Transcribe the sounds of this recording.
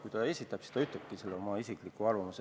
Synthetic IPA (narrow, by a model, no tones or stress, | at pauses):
kujt̪ɑe̞sʲit̪ːˑɑb̥se̥d̪ɑyt̪ːˑleb̥̚kiselːeo̞mɑisiklikːˑuɑrvɑmus